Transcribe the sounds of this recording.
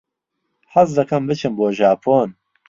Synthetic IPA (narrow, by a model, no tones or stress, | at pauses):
hɐzd̪ɐkʰɐmbɨt͡ʃʰɨmboːʒaːpʰoːn